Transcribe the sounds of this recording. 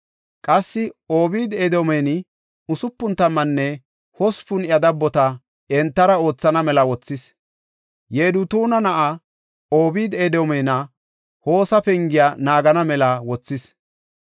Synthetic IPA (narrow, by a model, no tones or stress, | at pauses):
kʼɐsːɪoːbiːd̪ed̪omɛnɪ | ʊsʊpːʊnt̪ːɐmːɐnːɛ | hɔspʊnɪjɐd̪ɐbːɔt̪ɐ | ɛnt̪ːɐɾɐo̞ːt͡sːɐnɐmɛlɐwɔt͡sːɪs | jeːd̪ʊt̪uːnɐnɐʔɐ | oːbiːd̪ed̪oːmɛjnɐ | ho̞ːsɐpɛŋɡɪjaːnaːɡɐnɐmɛlɐwɔt͡sːɪs